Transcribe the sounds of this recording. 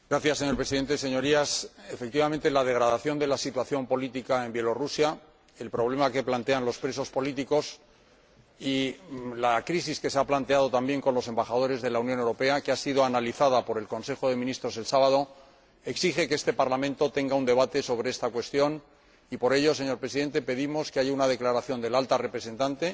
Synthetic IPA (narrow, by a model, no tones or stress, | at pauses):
ɡɾaθjasːe̞ɲoɾpɾe̞siðe̞nt̪ese̞ɲo̞ɾiasefe̞k̚t̪iβamẽnt̪elaðeɣɾaðaθjo̞nd̪e̞lasit̪waθjo̞mpo̞lit̪ikae̞mbje̞lo̞rusja | e̞lpɾo̞βle̞make̞plant̪e̞anlo̞spɾe̞so̞spo̞lit̪iko̞s | ilakɾisiske̞seaplant̪eað̞o̞t̪ambje̞ŋko̞nlo̞se̞mbaxaðo̞ɾe̞zðe̞launjonewɾo̞pe̞akeasiðo̞analiθað̞apo̞ɾe̞lko̞nse̞xo̞ðe̞minist̪ɾo̞se̞lsaβað̞o̞ | e̞ksixe̞ke̞est̪e̞paɾlamẽnt̪o̞t̪e̞ŋɡaund̪e̞βat̪e̞so̞β̞ɾe̞est̪akwe̞st̪jo̞n | ipo̞ɾe̞ʎo̞se̞ɲo̞ɾpɾesiðe̞nt̪e̞pe̞ðimo̞skeaʝaunað̞e̞klaɾaθjo̞nd̪e̞lalt̪are̞pɾe̞se̞nt̪ant̪e̞